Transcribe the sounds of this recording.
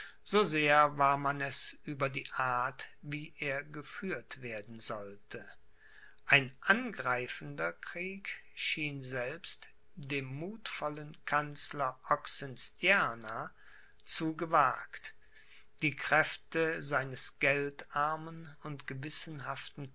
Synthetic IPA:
z̥oːzeːɐvaːɐmanɛsʔyːbɐdiːʔaɐtviːʔeːɐɡəfyːɐtv̥eːɐdn̩zɔltʰə | ʔaɪnʔanɡʁaɪfən̩dɐkʁ̥iːkʃiːnzɛlpst | deːmːuːtfɔlənkʰant͡slɐʔɔksɛnstjaːna | t͡suɡəvaːkt | d̥iːkʁ̥ɛftəzaɪnəsɡ̥ɛltaɐmənʊntɡ̥əvɪsn̩ɦaftn̩

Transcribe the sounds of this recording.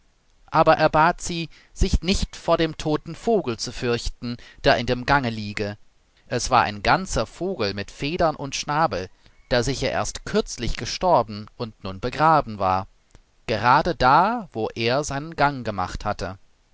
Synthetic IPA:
ʔaːbɐʔeːɐbaːtz̥iː | z̥ɪçnɪçtfoːɐɾeːmtʰoːtn̩foːɡl̩t͡sufʏɐçtn̩d̥eːɐʔɪndeːmɡaŋəliːɡə | ʔɛsv̥a̰ːɐʔa̰ɪnɡant͡sɐfoːɡl̩mɪtfeːdɐnʔʊntʃnaːbl̩ | d̥eːɐzɪçɐʔḛːɐstkʰʏɐt͡slɪçɡ̥əʃtɔɐbn̩ʔʊntnuːnbəɡʁaːbm̩va̰ːɐ | ɡ̥əʁaːdədaːvoːʔeːɐzaɪnənɡaŋɡəma̰χthatə

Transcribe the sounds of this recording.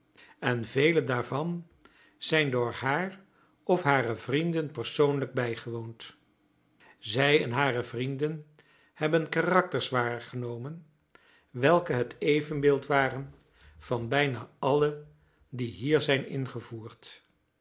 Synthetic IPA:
ɛnvejlədaːɹvɑn | z̥ɛjndʊːɹɦaːr | ɔfɦaːrəvrindənpəɹsownləɡ̚bɛjχəʋownt | zɛjɛ̰nɦaːrəvrindən | hɛbənkaːrɑk̚təɹsʋaːrəχənowmən | ʋɛlˠkəɦətʰejvənbɪːlˠtʋaːrən | v̥ɑnbɛjnaːʔɑlə | diɦiːɹzɛjnɪ̰nχəvuːɹt

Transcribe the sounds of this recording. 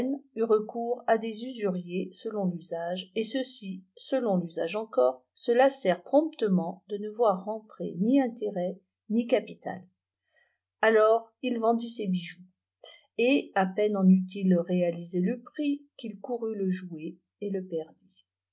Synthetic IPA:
nyʁəkuʁad̪ezyzyʁjesəlɔ̃lyzaʒesəsisəlɔ̃lyza̰ʒɑ̃kɔːʁ | səlasɛʁpχɔ̃p̚t̪əmɑ̃d̪ənəvwaʁːɑ̃t̪χḛniɛ̃t̪eʁɛ | nikapit̪a̰l | alɔʁilvɑ̃d̪isebiʒu | eapɛnɑ̃nyt̪ilʁealizeləpχikʲilkuʁyləʒue | eləpɛʁd̪i

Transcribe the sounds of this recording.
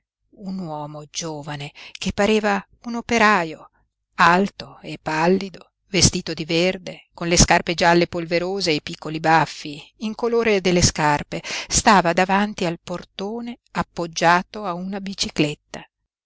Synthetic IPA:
unwɔːmod͡ʒoːvanekepːaɾeːva | unopeɾaːjo | alt̪oepːalːid̪o | vest̪iːt̪od̪iverd̪ekonleskarped͡ʒalːepolveɾoːzeːpikːolibafːiiŋkoloːɾed̪elːeskarpest̪aːvad̪avant̪ialport̪oːne | apːod͡ʒːaːt̪oaunabit͡ʃiklet̪ːa

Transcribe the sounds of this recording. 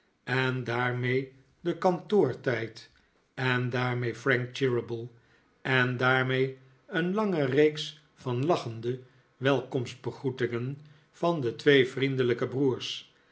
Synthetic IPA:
ɛndaːɹmej | dəkɑntʊːɹtɛjt | ɛndaːɹmejfrɛŋk̚t͡ʃɪɹəbəlˠ | ʔɛndaːɹmej | ənlɑŋərejks | fɑnlɑχəndə | ʋɛlˠkɔmsd̚bəχutɪŋən | v̥ɑndətʋejvrindələkəbruːɹs

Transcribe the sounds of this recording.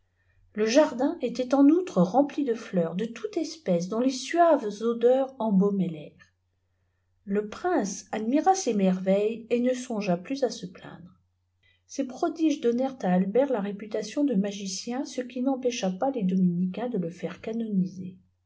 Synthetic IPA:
ləʒaʁd̪ɛ̃ʔet̪ɛt̪ɑ̃nut̪χəʁɑ̃plid̪əflœʁd̪ət̪ʰut̪ɛspɛs̬d̪ɔ̃lesɥavzod̪œʁɑ̃bɔmɛlɛʁ | ləpχɛ̃sad̪miʁasemɛʁvɛjenəsɔ̃ʒaplyzasəplɛ̰̃d̪ʁə | sepχɔd̪iʒd̪ɔnɛʁt̪aːlbɛʁlaʁepyt̪asjɔ̃d̪əmaʒisjɛ̃səkʲinɑ̃pɛʃapaled̪ɔminikʲɛ̃d̪ələfɛʁkanɔnize

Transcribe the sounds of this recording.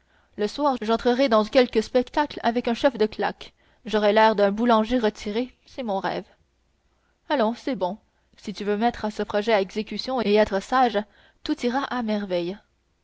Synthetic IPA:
ləswaːʁʒɑ̃t̪χəʁɛd̪ɑ̃kʲɛlkəspɛkt̪akla̰vɛkœ̃ʃɛfd̪əkla̰k | ʒɔʁɛlɛːʁd̪ɛ̃bulɑ̃ʒeʁət̪iʁe | sɛmɔ̃ʁɛ̰ːv | alɔ̃sɛbɔ̃ | sit̪yvømɛt̪χasəpχɔʒɛaɛɡzekʲysjɔ̃eɛt̪χəsaʒ | t̪ut̪iʁaʔamɛʁvɛj

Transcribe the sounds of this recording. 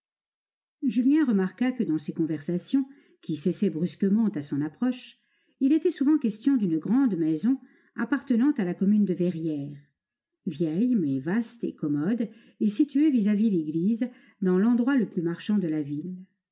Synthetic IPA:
ʒyljɛ̃ʁəmaʁkakəd̪ɑ̃sekɔ̃vɛʁsasjɔ̃ | kʲisɛsɛbʁyskəmɑ̃t̪asɔ̃napχɔʃ | ilet̪ɛsuvɑ̃kʲɛst̪jɔ̃d̪ynəɡʁɑ̃d̪mɛzɔ̃ | apaʁt̪ənɑ̃t̪alakɔmynd̪əvɛʁjɛːʁ | vjɛjmɛvast̪ḛkɔmɔd̪ | esit̪yevizavileɡliz | d̪ɑ̃lɑ̃d̪ʁwaləplymaʁʃɑ̃d̪əlavil

